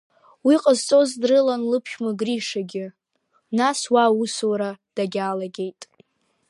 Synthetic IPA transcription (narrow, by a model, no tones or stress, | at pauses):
wiqʼəzt͡sʼo̞zdrɨlanlɨpʰʃʲmɨɡriʂaɡʲɪ | naswauswɾad̥aɡʲaːlaɡʲe̞jtʼ